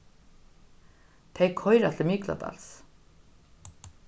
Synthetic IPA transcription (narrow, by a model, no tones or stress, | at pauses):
t̪ʰejkʰhɔʏɾat̪ʰlɪmiːkla̰t̪a̰ls